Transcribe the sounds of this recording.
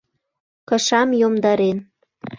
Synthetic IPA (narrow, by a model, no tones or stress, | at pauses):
kɤ̆ʃɑmjomd̪ɑɾen